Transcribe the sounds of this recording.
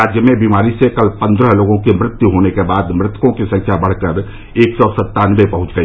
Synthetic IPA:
aːd͡ʒjəmẽbiːmaːɾisekɐlpɐ̃nd̪ɾəɦloːɡõkimɾɪt̪juɦoːnekebaːd̪mɾɪt̪kõkisɐ̃ŋkʰjabɐɽ̤kəɾ | eːksɔːsɐt̪ːaːnʋepɐɦʊ̃t͡ʃɡəi

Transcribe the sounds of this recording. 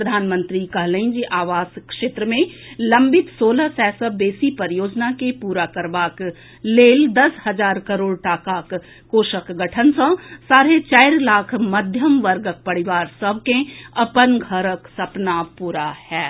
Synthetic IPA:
əd̪ʱaːnmə̃nt̪ɾikɐɦləĩd͡ʒiʔaːʋaːskʃeːt̪ɾəmẽlɐ̃mbɪt̪soːlasɛːsəbeːsipəɾjoːd͡ʒnakepuːɾakəɾʋaːk | leːld̪ɐshɐzaːɾkɐɾoːɽʈaːkaːkː | oːʃəkɡəʈʰənsə̃saːɾet͡ʃaːɪɾlaːkʰmɐd̪ʱjəmʋəɾɡək̚pɐɽɪʋaːɾsɐb̚ʱkẽɐpənɡʱəɾəksɐpnapuːɾahɛː

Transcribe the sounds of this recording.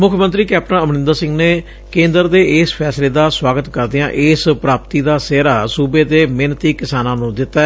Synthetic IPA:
mʊkʰmə̃nt̪ɾiːkɛːp̚ʈə̃nəmnɪ̃nd̪aːsɪ̃ŋɡneː | kẽːnd̪əɾd̪eːɪspʰɛːsleːd̪aːswaːɡət̪kəɾd̪ɪã̰ːʔɪspɾaːpt̪iːd̪aːseːɾaːsuːbeːd̪eːmeːnt̪iːkɪsaːnãːnũːd̪ɪt̪ːaɛ

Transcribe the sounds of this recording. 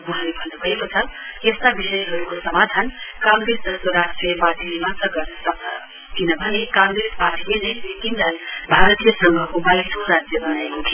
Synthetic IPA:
wuɦãlebʱʌnːubʱəekot͡sʰʌest̪abisʌjɦʌɾukosʌmad̪ʱankãŋɡɾesd̪ʌswʌɾasʈɾʌbad̪ʱilimãsʌɡʌsʌk̚d̪ʱʌ | kinʌbʱʌnekãŋɡɾespaʈʰilenejbet̪ind̪anbʱaɾət̪ijəsʌŋɡʱʌkobalisoɾad͡zjʌbʌnaekot̪ʰi

